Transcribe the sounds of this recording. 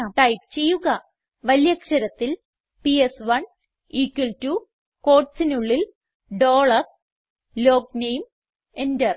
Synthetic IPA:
ʈɐjp̚t͡ɕe̞jːuɣɐ | ʋɐljɐkʂɐɾɐt̪ːil | piesʋɐɳ | iːkːiltuː | ko̞ːrʈsinuɭːil | ɖoːɭɐr | loːknejm | endɐr

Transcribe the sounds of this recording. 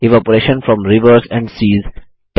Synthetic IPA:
ɪʋɔpəɾeːʃə̃nfɾɔ̃mɾɪʋəɾzɛ̃ɳɖsiːz | ʈ

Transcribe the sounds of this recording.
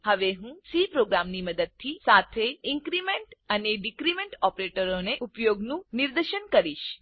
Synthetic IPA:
həʋeɦũsipɾoɡɾamniməd̪əd̪̚t̪ʰisat̪ʰeiŋkɾimeɳʈəneɖikɾimẽɳʈɔpɾeʈəɾoneʔupjoɡnũniɾd̪əɾʃəɳkəɾiʃ

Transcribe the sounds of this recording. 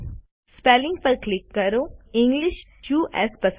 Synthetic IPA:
speːlɪ̃ŋɡpɐɾklɪkːɐɾoːɪ̃ŋɡlɪʃ | t͡ʃuːʔɛ̰spɐs

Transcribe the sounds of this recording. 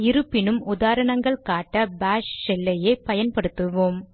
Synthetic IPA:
ɪɾɯpːɪnɯmʊðaːɾɐɳɐŋɡɐɭkaːʈːɐbaːʂsɛlːɐjɐɪpɐjɐnpɐɽɯt̪ːɯʋoːm

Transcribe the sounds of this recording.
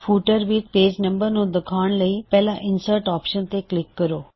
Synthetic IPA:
fʰuːʈəɾʋit̪̚peːd͡ʑnə̃mbəɾnũd̪əkʰaːɳ̃ləiːpɛɦlaʔɪnsəɾʈɔːpʃənt̪eklɪkːəɾoː

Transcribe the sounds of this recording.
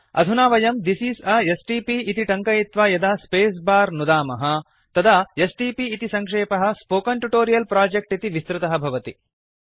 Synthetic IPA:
ɐ̰d̪ʱunaːʋɐjɐmd̪isiːsɐesʈiːpiːt̪iʈɐŋkɐjit̪ʋaːjɐd̪aːspeːs̬baːɾnud̪aːmɐɦɐ | t̪ɐd̪aesʈiːpiːt̪isɐŋkʂeːpɐɦɐ̆spoːkɐɳʈuʈoːɾijɐlpɾaːd͡ʒek̚ʈit̪iʋist̪ɾɪt̪ɐɦɐbʱɐʋɐt̪ḭ

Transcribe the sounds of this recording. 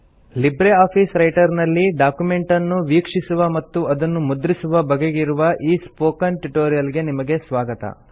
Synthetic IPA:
libɾeaːpʰiːsɾɐjʈɐɾnɐlːiɖaːkume̞ɳʈɐnːuʋiːkʂisuʋɐmɐt̪ːuʔɐd̪ɐnːumud̪ɾisuʋɐbɐɡeɡiɾuʋɐʔiːspoːkɐnʈuʈoːɾijɐlɡe̞nimɐɡe̞sʋaːɡɐt̪ɐ̰

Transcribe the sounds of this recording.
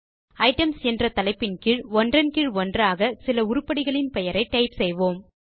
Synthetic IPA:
ɐɪʈɐmsɛndrɐt̪ɐlɐɪpːɪnkɪɻʋɔndrɐnkɪɻʋɔndraːɣɐsɪlɐʊɾʊpːɐɽɪɣɐɭɪnpɛjɐɾɐɪʈːɐɪpsɛjʋoːm

